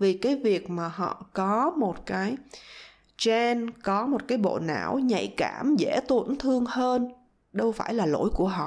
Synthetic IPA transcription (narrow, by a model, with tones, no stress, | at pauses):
vi˨˩kaː˨˦jvi˨˩ək̚maː˨˩ɦɔ̰˧˨kɔ˨˦mo˨˩t̚kaː˨˦j | t͡ɕɛ˧nkɔ˨˦mo˨˩t̚kaː˨˦jɓo̰˧˨na̰ː˧˩wɲa̰˧˨jkaː˧˩mzḛ˧˥t̪wu˧˩nt̪ʰɨ˧əŋhəː˧n | ɗə˧wfaː˧˩jlaː˨˩lo̰˧˥jku˧˩əɦɔ̰˧˨